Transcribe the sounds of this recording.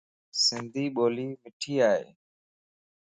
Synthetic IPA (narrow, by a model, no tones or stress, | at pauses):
sɪnd̪ʱiːɓoːliːmɪʈʰiːaːɦḛː